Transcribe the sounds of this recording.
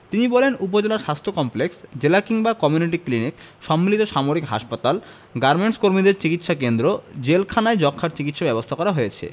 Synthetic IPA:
t̪inibɔlenup̬od͡ʑelaɾʃast̪ʰokɔmpleksd͡ʑelakiŋbakɔmjuniʈiklinik | ʃɔmːilit̪oʃamoɾikɦa̰ʃpat̪al | ɡaɾmeɳʈskoɾmid̪eɾt͡ɕikit̪ʃakend̪ɾod͡ʑelkʰanaed͡ʑɔkʰːaɾt͡ɕikit̪ʃabɛbost̪ʰakɔɾaɦojet͡ɕʰḛ

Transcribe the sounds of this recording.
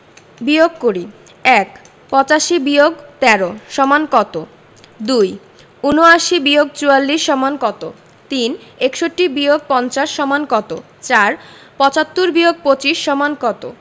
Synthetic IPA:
bioɡ̚koɾi | ɛk | pɔt͡ɕaʃibioɡt̪ɛɾoʃɔmankɔt̪o | d̪uj | unoaʃibioɡ̚t͡ɕualːiʃːɔmankɔt̪o | t̪inekʃoʈːibioɡ̚pɔnt͡ɕaʃːɔmankɔt̪o̰ | t͡ɕaɾpɔt͡ɕat̪ːuɾbioɡ̚pot͡ɕiʃːɔmankɔt̪o̰

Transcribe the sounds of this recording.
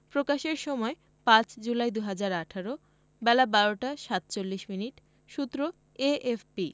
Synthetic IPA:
pɾokaʃeɾʃɔmɔe | pãt͡ɕd͡ʑulajd̪uɦad͡ʑaɾaʈʰaɾo | bɛlabaɾoʈaʃat̪t͡ɕolːiʃminiʈ | ʃut̪ːɾo | eʔefpi

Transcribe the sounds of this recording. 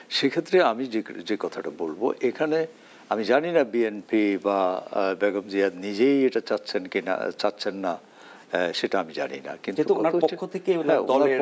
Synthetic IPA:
ʃekʰet̪ːɾeamid͡ʑed͡ʑekɔt̪ʰaʈabolbo̰ʔekʰane | amid͡ʑaninabienpibabeɡomd͡ʑiad̪nid͡ʑejeʈat͡ɕatːɕʰenkina̰t͡ɕatːɕʰenːa | ʃeʈaamid͡ʑa̰nḭna̰kinet̪uɔnaɾokʰːot̪ʰekeɦɛ̃olnaɾe

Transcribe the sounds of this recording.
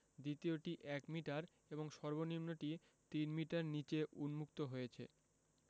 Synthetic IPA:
d̪it̪ioʈiʔɛkmiʈaɾ | eboŋʃɔɾbonimnoʈi | t̪inmiʈaɾnit͡ɕeʔunmukt̪oɦojet͡ɕʰḛ

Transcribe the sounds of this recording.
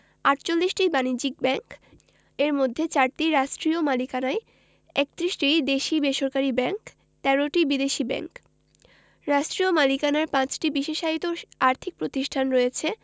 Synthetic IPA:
aʈt͡ɕolːiʃʈibanid͡ʑik̚bɛŋk | eɾmod̪ʱːet͡ɕaɾʈiɾaʃʈɾiomalikanae | ek̚t̪ɾiʃʈid̪eʃibeʃoɾkaɾibɛŋk | t̪ɛɾoʈibid̪eʃibɛ̰ŋk | ɾaʃʈɾiomalikanaɾpãt͡ɕʈibiʃeʃaɦit̪oaɾt̪ʰik̚pɾot̪iʃʈʰanɾɔjet͡ɕʰe

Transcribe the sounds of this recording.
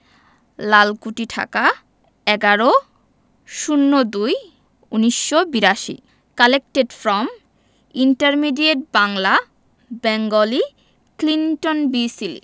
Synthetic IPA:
lalkuʈiʈʰa̰ka | ɛɡaɾo | ʃunːod̪uj | uniʃːobiɾaʃḭ | kalek̚ʈeɖfɾɔm | iɳʈaɾmiɖieʈ̚baŋla | bɛŋɡoli | klinʈonbisilḭ

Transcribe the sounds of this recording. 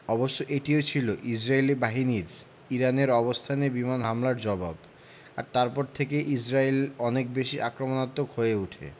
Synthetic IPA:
ɔboʃːoʔeʈiot͡ɕʰiloʔisɾajlibaɦiniɾ | iɾaneɾɔbost̪ʰanebimanɦamlaɾd͡ʑɔbab | a̰ɾt̪aɾpɔɾt̪ʰekeʔisɾailɔnek̚beʃiʔakɾomonat̪ːokɦoeuʈʰḛ

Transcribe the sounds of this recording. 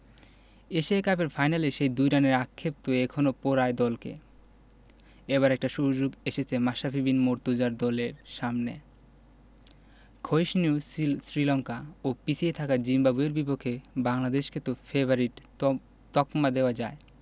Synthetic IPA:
eʃiakap̬eɾfʰajnaleʃejd̪ujɾaneɾakʰːep̚t̪oekʰonopoɾaed̪ɔlkḛ | eβaɾɛk̚ʈaʃuɦd͡ʑoɡeʃet͡ɕʰemaʃafibinmoɾt̪ud͡ʑaɾd̪ɔleɾʃamne | kʰojʃniusɾilɔŋkaopit͡ɕsʰiet̪ʰakaɾd͡ʑimbabueɾbipokʰːebaŋlad̪eʃket̪ofebaɾiʈ | t̪ɔkmad̪eoad͡ʑae

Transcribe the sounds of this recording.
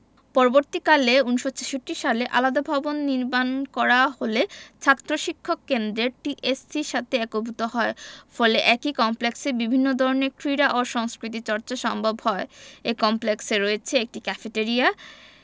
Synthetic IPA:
pɔɾoboɾt̪ikaleuniʃot͡ɕeʃoʈːiʃaleʔa̰lad̪abʱabonːiɾmankɔɾaholet͡ɕʰat̪ːɾoʃikʰːokːend̪ɾeʈiʔessiʃat̪ʰeɛkobʱut̪oɦɔefɔleʔɛkikɔmpleksebibʱinːod̪ʱɔɾonekɾiɾaʔoʃɔŋskɾit̪̬it͡ɕɔɾt͡ɕaʃɔmbʱobhɔeekɔmplekseɾoet͡ɕʰeek̚ʈikɛfeʈeɾia

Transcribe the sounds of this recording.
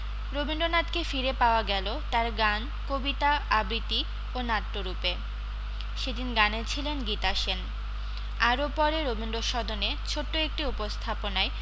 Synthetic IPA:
ɾobinɖonat̪kefiɾepaoaɡɛlot̪aɾɡan | kobit̪aabɾit̪i | onat̪ːoɾupe | ʃed̪inɡanet͡ɕʰilenɡit̪aʃen | aɾopɔɾeɾobinɖoʃɔd̪onet͡ɕʰoʈːoek̚ʈiupost̪ʰaponae

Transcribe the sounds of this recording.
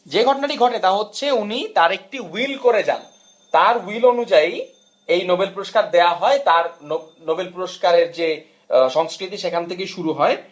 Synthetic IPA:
d͡ʑeɡʱɔʈonaʈiɡʱɔʈet̪aɦotːɕʰeunit̪aɾek̚ʈiwilkoɾed͡ʑa̰n | t̪aɾwilonud͡ʑai | ejnobelpuɾoʃkaɾd̪eaɦɔet̪aɾnonobelpuɾoʃkaɾeɾd͡ʑe | ʃɔŋskɾit̪iʃekʰant̪ʰekeʃuɾuɦɔe

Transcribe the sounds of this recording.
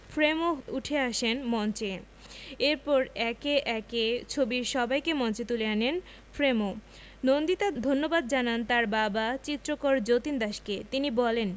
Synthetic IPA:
fʰɾemouʈʰeaʃenmɔnt͡ɕe | eɾpɔɾɛkeʔɛket͡ɕʰobiɾʃɔbajkemɔnt͡ɕet̪uleanen | fʰɾemo | nond̪it̪ad̪ʱonːobad̪̚d͡ʑanant̪aɾbabat͡ɕit̪ːɾokoɾd͡ʑot̪ind̪aʃket̪inibɔlen

